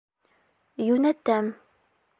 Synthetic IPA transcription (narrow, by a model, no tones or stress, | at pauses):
junæt̪ːæm